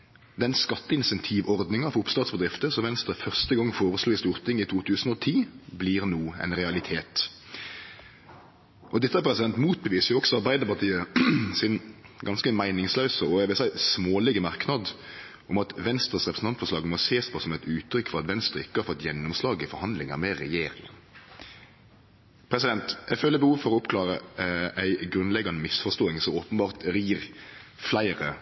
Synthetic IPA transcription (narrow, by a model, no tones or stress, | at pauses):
d̪ɛnskɑt̪ːəɪnsɛnt̪ʰiːʋɔʁd̪nɪŋɑʋʊpst̪ɑːt̪sbəd̪ɾɪft̪əsɔʋɛnst̪ɾəfœʁst̪əɡɑŋːfoːɾəsluːɪst̪uːɾt̪ʰɪŋːɪt̪ʰuːt̪ʰʉːsn̩ɔt̪ʰiːbliːɾnuːɛ̰ɪnɾɛɑlɪt̪ʰeːt̪ | ʔɔd̪ɛt̪ːəhæpʰɾɛsɪd̪ɛnt̪muːt̪̚bəʋiːsəjʊɔksɔɑʁbæɪd̪əɾpɑʁt̪ʰiːəsɪnɡɑnskəmæɪnɪŋslœʉsəɔæɪʋɪlsæɪsmoːlɪɡəmɑɾknɑd̪ | ʔʊmɑt̪ʋɛnst̪ʁəsʁɛpɾsn̩ʰɑnt̪fɔʂɭɑːɡmɔseːspʰɔːsɔmæɪt̪ʉːt̪ʰːɾʏkːfɔɾɑt̪ʋɛnst̪ɾəɪkːəhɑɾfɔt̪ːjɛnːʊmslɑːɡɪfɔɾhɑnd̪lɪŋəɾmɛɾɛjeːɾɪŋə̰n | pʰɾɛsɪd̪ɛnt̪ɛɡføːləɾbəhuːʋfɔɾɔʊpklɑːɾəʔæɪɡɾʉnlɛɡːɑnəmɪsfɔʂt̪oːɪŋsɔoːpənbɑːʁt̪ɾiːɾflæɪɾə